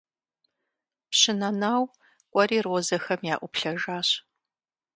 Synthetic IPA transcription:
pɕɪnɐnaːw | kʷʼɔɾiːrozɐxɐmjaːʔʷʊpɬɐʒaːɕ

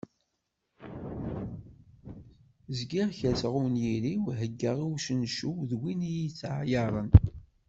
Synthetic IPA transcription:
zɡiʁçæt͡sʁuwnjiɾiwɦəɡːəʁiwʃənʃuwðwinijit͡sːʕjɑɾˤən

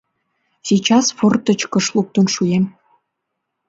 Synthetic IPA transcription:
sʲijt͡ɕɑsfort̪ə̆t͡ɕkə̆ʃlˠuk̚t̪ŏnʃujem

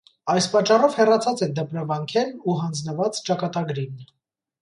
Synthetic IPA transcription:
ɑjspɑt͡ʃːɑrɔvhɛrɑt͡sʰɑt͡sɛd̪əpɾɑvɑŋkʰɛnuɦɑnd͡znəvɑt͡st͡ʃɑkɑt̪ɑɡɾinnə

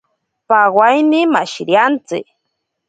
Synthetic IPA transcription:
pawajnɪmaʃɾjant͡sɪ̰

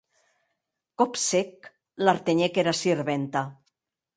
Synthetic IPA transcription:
kopsek | laɾt̪eɲekeɾasiɾβent̪a

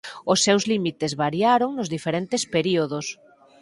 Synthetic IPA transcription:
ʊsːewzlimit̪ezβaɾjaɾoŋnʊzðifeɾent̪espeɾioðʊs

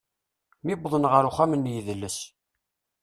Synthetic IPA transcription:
mibðˤənʁəɾʊχæmənːjiðəlːəs

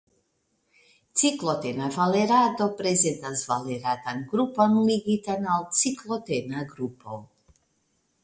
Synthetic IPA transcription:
t̪siklˠot̪ɛnavalɛɾad̪opɾɛzɛt̪azvaleɾat̪anɡɾupanliɡit̪analˠt̪siklˠot̪ɛnaɡɾupʰol

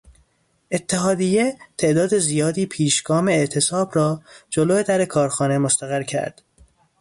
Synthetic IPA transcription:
ʔe̞t̪ʰːeɦɒːd̪ijet̪ʰe̞ʔd̪ɒːd̪e̞zijɒːd̪iːpʰiːʃɡɒːmeːʔt̪ʰe̞sɒːbrɒːd͡ʒoloːed̪æɾe̞kʰɒːɾxɒːne̞most̪æɣæɾcʰæ̰ɾd̪̥

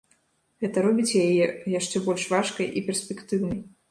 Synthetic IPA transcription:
ɣɛt̪ɐɾɔbʲit͡sʲjajɛjaʂt͡ʂɛbɔlʲʂvaʂkɐjʔipʲɛrsʲpʲɛkt̪ɨwnɐj

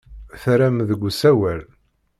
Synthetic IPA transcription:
θɾæmðəɡʷːsæwæl

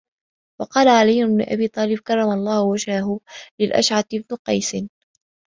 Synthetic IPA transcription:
wɑqɑːlaʕalijːʊnbnʊʔa̰biːt̪ˤɑːlɪb̚kɑrˤːɑmalˤːɑːhʊwad͡ʒhaɦʊlɪlʔa̰ʃʕat̪ɪbnʊqɑjsɪn

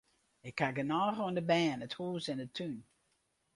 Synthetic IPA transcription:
ɪkʰːaɡənɔːɣoəndəbɛːnəthuːsɛndətʰyn

